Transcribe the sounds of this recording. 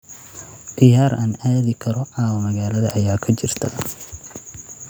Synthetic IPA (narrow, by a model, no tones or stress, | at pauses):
d̪̥ɪjaːɾʔaːnaːðɪkʰɐɾɔʕɑːwɐmɐɣaːlɐðɐʔjaːkʰɐt͡ʃɪrt̪ʰɐ̰